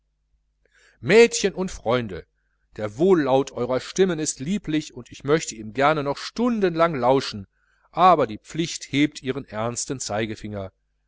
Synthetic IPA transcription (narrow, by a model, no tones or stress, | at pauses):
mɛːtçənʊntfʁ̥ɔʏndə̰ | d̥eːɐvoːlːaʊtʰʔɔʏʁɐʃtɪmənɪstliːplɪçʊntɪçmœçtəiːmɡɛɐnənɔχʃtʊndənlaŋlaʊʃn̩ | ʔaːbɐdiːp͡flɪçtheːp̚tʔiːʁ̞ənʔɛɐnstən̩t͡saɪɡəfɪŋɐ